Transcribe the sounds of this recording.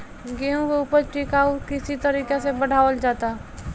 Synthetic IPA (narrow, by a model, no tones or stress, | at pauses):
ɡeɦũkeupəɾʈikaːukɪsit̪ɐɾiːkesebɐɽ̤ʱaːʋəld͡ʒaːt̪a